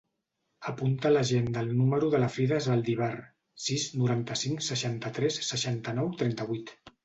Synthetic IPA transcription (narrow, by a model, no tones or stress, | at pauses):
əpunt̪ələʒend̪əlˠnuməɾuðələfɾiðəzβəlˠd̪iβ̞ɛr | siznuɾant̪əsiŋsəʃant̪ət̪ɾɛsːəʃant̪ənɔwt̪ɾɛnt̪əβ̞uit̪